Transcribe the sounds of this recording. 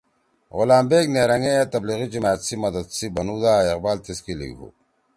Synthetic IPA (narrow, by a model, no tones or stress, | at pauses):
ʁʊlaːmbeːkneɾɐŋejat̪ɐbliɣid͡ʑimaːjt̪simɐd̪ɐd̪sibɐnud̪aːeqbaːlt̪eskilḭɡɦṵ